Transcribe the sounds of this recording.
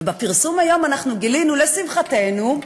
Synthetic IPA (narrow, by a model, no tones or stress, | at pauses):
bepiʁsumajo̞manaχnuɡilinulesimχate̞nu